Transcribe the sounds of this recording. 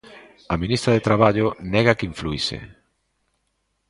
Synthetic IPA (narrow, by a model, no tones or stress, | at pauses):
ɐmĩnist̪ɾɐðet̪ɾaβaʎʊnɛɣɐkeiɱfluisḛ